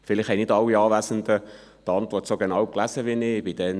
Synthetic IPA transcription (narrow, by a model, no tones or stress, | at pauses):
fɪlɪχhɛjnɪtdɑlːiɑːʋæsənd̪ə | d̥̪ɑntvɔtsoɡenɑwklæsəʋinɪb̥id̥ɛn